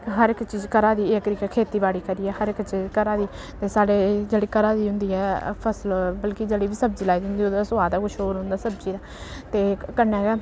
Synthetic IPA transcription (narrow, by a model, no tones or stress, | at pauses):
ɦəɾɪkt͡ʃiːzkəɾaːd̪iːekt̪ɾiːkɛkʰeːt̪iːbaːɽiːkəɾiːɛːhəɾɪkt͡ʃiːzkəɾaːd̪iː | t̪eːsaːɽeːd͡ʒeːɽiːkəɾaːd̪iːɦʊ̃nd̪iːɛːpʰəsəlbəlkid͡ʒeːɽiːbiːsəb̚d͡ʒiːlaːiːd̪ind̪iːoːd̪sʊaːd̪aːkʊʃʰoːɾɦʊ̃nd̪aːsəbd͡ʒiːd̪aːt̪eːkənɛːɛ